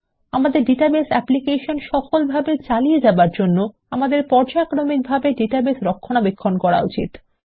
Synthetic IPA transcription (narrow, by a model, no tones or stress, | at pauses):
amad̪eɾɖiʈabesɛplikeʃonʃɔkolbʱabet͡ɕalijed͡ʑabaɾd͡ʑonːo | amad̪eɾpɔɾd͡ʑakɾomik̚bʱabeɖeʈabesɾokʰːonabekʰːonkɔɾa̰ut͡ɕḭt̪